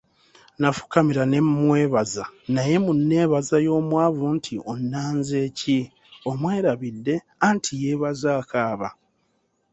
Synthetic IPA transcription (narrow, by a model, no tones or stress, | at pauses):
nafu̥kamiɾane̞mwe̞ːβazanaje̞munːe̞ːβazajo̞ːmwaːvuntʰiʔonːaːnzeːci | o̞mwe̞ːɾaβidːe̞ | antʰije̞ːβazaːkʰaːβa̰